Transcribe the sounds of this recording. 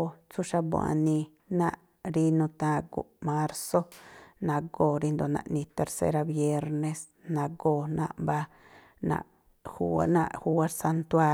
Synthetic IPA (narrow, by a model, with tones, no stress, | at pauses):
o˧t͡su˦ʃa˧bwa̰˨ni˧ | na˦˧ʔ | ɾi˧nũ˧t̪ã˧ɡṵ˨ʔma˧ɾso˦na˧ɡo˧ɾi˧nd̪o˨˧na̰˨˧ʔnĩ˧t̪e˨ɾsḛ˧ɾa˧bje˧ɾne˧s | nã˧ɡo˧na̰˧ʔmba˧ | na̰˧ʔ | xu˧na̰˧ʔhu˧a˦ɾsa˧nt̪wa˧